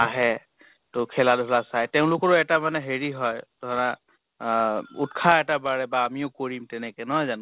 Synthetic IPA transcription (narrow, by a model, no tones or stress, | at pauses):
aɦɛ | tʊkʰɛladʱɔlasajtɛʊ̃lʊkɔɹʊɛtamanɛɦeɹiɦɔjd̥ʱɔɹa | utkʰaɛtabaɹɛbaːmiʊkoɹimtɛnɛkɛnɔɦɔjzan